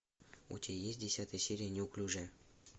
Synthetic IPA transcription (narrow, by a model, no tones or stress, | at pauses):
ṵtʲejesʲt̚ʲdʲɪsʲat̪əjəsʲeɾʲijənʲeuklʲuʐɛ